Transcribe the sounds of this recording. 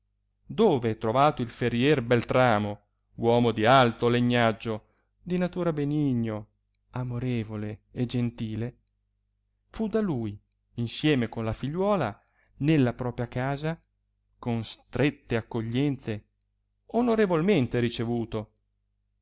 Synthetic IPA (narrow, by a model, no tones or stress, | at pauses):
d̪oːvet̪ɾovaːt̪oilfeɾjɛrbelt̪ɾaːmo | wɔːmod̪ialt̪oleɲːad͡ʒːo | d̪inat̪uːɾabeniɲːo | amoɾeːvoleed͡ʒent̪iːle | fud̪aluːj | insjɛːmekonlafiʎːwɔːla | nelːapɾɔːpɾjakaːza | konst̪ɾet̪ːeakːoʎːɛnt̪se | onoɾevolment̪eɾit͡ʃevuːt̪o